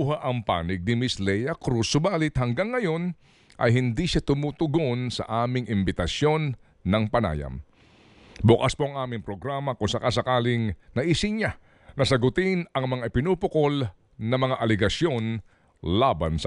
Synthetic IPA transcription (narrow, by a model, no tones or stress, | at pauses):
uɦaʔɐŋpa̰ːnɪɡ̚nɪmɪslɛjɐkɾusʊbaːlɪt̪̚hɐŋɡaŋːɐjo̞n | ʔɐ̰jɦɪnd̪iʃat̪ʊmuːt̪ʊɡo̞nsɐ̰ʔaːmɪŋɪmbɪt̪ɐsjo̞nː | ɐŋpɐna̰ːjɐ̰m | bʊkaspo̞ʔɐŋʔaːmɪŋpɾo̞ɡɾamɐkʊnsɐkasɐkaːlɪŋnɐʔisɪɲa | nɐsɐɡʊt̪ɪnɐŋmɐŋaʔɪpɪnuːpʊkol | nɐmɐŋaʔɐlɛɡɐsjo̞n | labansɐ